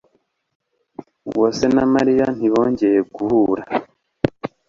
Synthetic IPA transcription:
wo̞ːse̞namaɾijan̥iβo̞ːɲɟe̞jeɡuhuːɾa

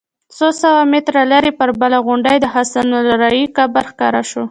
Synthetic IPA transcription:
sosawamet̪ɾalaɾepəɾbəlaɣʊɳɖajd̪əhasanalaɾajikabaɾxkɑɾaʃo

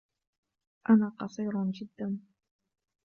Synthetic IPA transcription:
ʔanaːqɑsˤiːɾd͡ʒɪd̪ːan

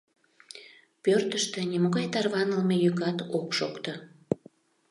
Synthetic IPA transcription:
pørt̪əʃt̪ĕnimoɣɑjt̪ɑrβɑnəlmejykɑt̪okʃokt̪ə

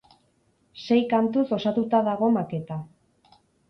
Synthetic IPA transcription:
se̞jkant̪uso̞sat̪ut̪aðaɣ̞o̞make̞t̪a

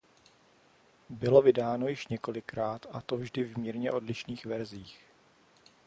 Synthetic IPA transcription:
bɪlo̞vɪdaːno̞jɪʃɲɛko̞lɪkɾaːt̪ʔat̪o̞vʒdɪvmiːɾɲɛʔo̞dlɪʃniːxvɛɾziːx

